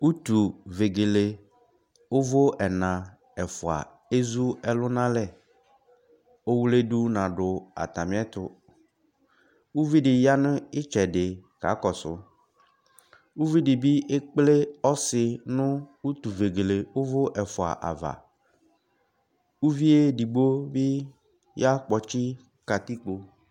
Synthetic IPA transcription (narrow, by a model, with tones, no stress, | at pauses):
u˦t̪u˨ve˨ɡe˨le˨ | ʊ˦vʊ˦ɛ˨nã˨ | ɛ˨fʊ˨a̰˨ | e˦zu˦ɛ˦lʊ˦nã˦lɛ˦˨ | o˦wu˦le˦du˦nã˨ɖʊ˨a̰˨t̪a˨mɪ̃˦ɛ˦t̪ʊ˨ | u˦vi˦ɖɪ˨ja˦nʊ̃˦ɪ˦t͡ʃɛ˨ɖɪ˨ka̰˨˦kɔ˨sʊ̰˨˦ | wu˦vi˦ɖɪ˨bi˦ʔɪ˦k͡plɪ˦ɔ˦sɪ˨nʊ̃˦wu˦t̪u˨ve˨ɡe˨le˨ʊ˦vʊ˦ʔɛ˨fʊ˨a̰˨ʔa̰˨va̰˨ | u˦vi˦e˦di˨ɡ͡bo˦bɪ˦ | ja˦k͡pɔ˨t͡ʃɪ˦ | ka˨t̪i˦k͡po˨